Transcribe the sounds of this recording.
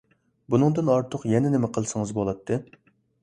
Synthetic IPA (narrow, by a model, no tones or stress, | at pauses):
bunɨŋd̪ɨnɑɾt̪ʰəqjɛnɛnɪmɛqʰəlˠsɨŋɨzbolˠɑt̪ʰːɨ